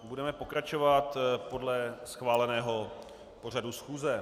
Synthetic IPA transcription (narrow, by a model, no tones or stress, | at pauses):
budɛmɛpo̞kɾat͡ʃo̞vat̪po̞dlɛsxvaːlɛnɛːɦo̞ | po̞r̝adusxuːzɛ